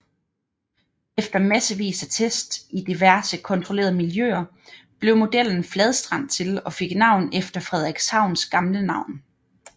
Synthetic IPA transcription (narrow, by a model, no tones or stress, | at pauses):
efd̥ɐmæsəʋḭːsæt͡sʰesd̥id̥iʋæɐsəkʰɒ̽nt͡sʰʁole̝̰ːɐð̩ˠmiljø̰ːɐ | b̥le̝ʊmo̝d̥el̰n̩flɛð̞ˠsd̥ʁɑ̈n̰t͡sʰe̝lɒ̽fe̝ɡ̥nɑ̈ʊ̰nefd̥ɐfʁɛð̞ˠɛɡ̥shɑ̈ʊ̰nsɡ̥ɑ̈mlənɑ̈ʊ̰n